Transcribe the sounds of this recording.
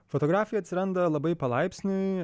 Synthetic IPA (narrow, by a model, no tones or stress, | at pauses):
fot̪oɡɾaːfʲɪjɛɐt̪ʲsʲɪɾɐnd̪ɐlˠɐbɐɪpɐlˠɐɪpʲsʲnʲʊɪ